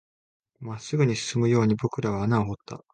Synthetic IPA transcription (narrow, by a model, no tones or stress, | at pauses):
masɨɡɯ̟ɲ̟iɕɨ̥sɨmɯ̟jo̞ːɲ̟ibo̞kɯ̟ɾaβ̞aːnaoɦot̪ːa̰